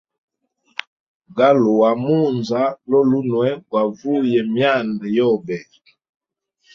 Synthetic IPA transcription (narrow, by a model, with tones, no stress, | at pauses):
ɡa˦lu˨wa˨mu˦˨nza˨˦lɔ˦lu˦nwɛ˦ɡwa˨vu˦jɛ˨mja˦˨ndɛ˨jɔ˦˨bɛ˨